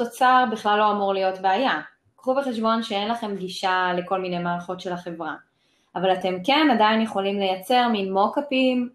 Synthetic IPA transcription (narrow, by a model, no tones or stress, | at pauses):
to̞t͡saʁbiχlalːo̞amuʁlijo̞tbeaja | kχubeχeʃbo̞nʃee̞nlaχe̞mɡiʃale̞ko̞lmine̞jmaːlχo̞tʃe̞laχe̞vʁa | avalate̞mke̞nadajinjeχo̞limle̞jat͡se̞ʁminmo̞kapim